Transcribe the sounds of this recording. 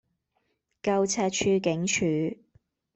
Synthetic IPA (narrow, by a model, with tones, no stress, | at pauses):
kɐ˧wt͡sʰɛː˧t̚t͡ʃʰyː˧kɪ˨˥ŋt͡ʃʰyː˨˥˩